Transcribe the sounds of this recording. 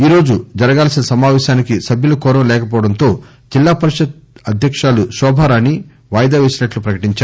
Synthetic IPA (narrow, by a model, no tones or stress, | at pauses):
iːɾo̞ːd͡ʒud͡ʒɐɾɐɡaːlsinɐsɐmaːʋɛːʃaːnikisɐbjulɐkɔːɾɐ̃mlɛːkɐp̬ɔːʋɐɽɐnt̪o̞ː | d͡ʒilːaːpɐɾiʂɐt̪̚ɐd̪ʱjɐkʂaːluʃɔːbʱaːɾaːni | ʋaːjɐd̪aːʋeːsinɐʈlupɾɐkɐʈiɲt͡ʃaːɾ